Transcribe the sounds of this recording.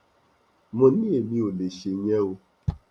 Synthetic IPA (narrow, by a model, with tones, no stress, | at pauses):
mʊ̃˦ni˦˨mĩ˦o˨le˨ʃe˨ɲe˦o˧